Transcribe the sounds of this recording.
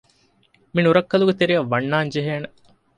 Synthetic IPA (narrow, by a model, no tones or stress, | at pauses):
minuɾɐkːɐluɡet̪eɾijɐʋːɐnːaːnd͡ʒeɦeːne